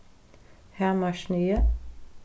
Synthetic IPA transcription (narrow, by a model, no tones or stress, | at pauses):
hæmɑʃnyːə